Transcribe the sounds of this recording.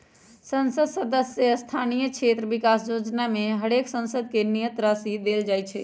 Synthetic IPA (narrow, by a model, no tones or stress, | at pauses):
sənsəd̪səd̪əsjəəst̪ʰanijəkt͡ʃʰet̪ɾəʋikasd͡ʒod͡ʒnameɦəɽeksə̃nsəd̪kenijət̪ɾasid̪eld͡ʒaːjt͡ʃʰɛ